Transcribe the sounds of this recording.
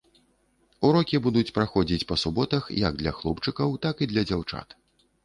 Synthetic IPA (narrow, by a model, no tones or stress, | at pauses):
uɾɔkʲibud̪ut͡sʲpɾaxɔd͡zʲit͡sʲpɐsubɔt̪ɐxjɐ̰ɡ̚d̪lʲɐ̰xlˠɔpt͡ʂɨkɐwt̪akid̪lʲɐd͡zʲawt͡ʂa̰t̪